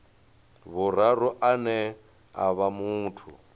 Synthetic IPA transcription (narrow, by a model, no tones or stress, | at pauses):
βʊɾ̤aɾɔʔanɛ | a̰βamuːtʰṵ